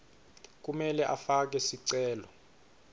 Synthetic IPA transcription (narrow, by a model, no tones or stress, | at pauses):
k̬ʼumɛlɛʔafak̬ɛsiǀɛːlɔ